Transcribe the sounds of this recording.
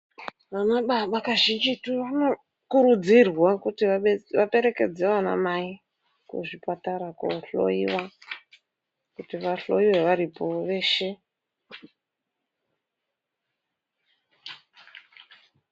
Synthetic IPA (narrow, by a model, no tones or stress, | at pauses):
ʋanaɓaɓakaʒind͡ʒituʋano̞ | kuɾud͡zirwakutiaʋape̞ɾe̞ke̞d͡zeʋana̰mai | kṵʐipataɾakoɬo̰iwa | kutiʋaɬo̰iweʋaɾipo̞ʋe̞ːʃe̞